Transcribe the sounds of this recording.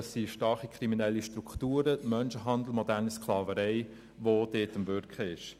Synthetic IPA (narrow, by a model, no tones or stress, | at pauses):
sːiʃtɑɾχikʰɾiminɛlːiʃtɾuktuːɾəmœnʃəɦɑnd̪l̩mɔdærnəskʰlɑːvəɾɛɪ | ʋod̥eːtəmvʏɾkχəɪʃ